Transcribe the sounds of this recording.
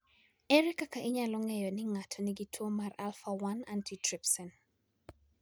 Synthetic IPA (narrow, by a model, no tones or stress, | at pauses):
ɛɾɛkakaʔɪɲalɔŋɛjɔnɪŋatʰɔniɡitʰwomaralfawanantitɾipsɔn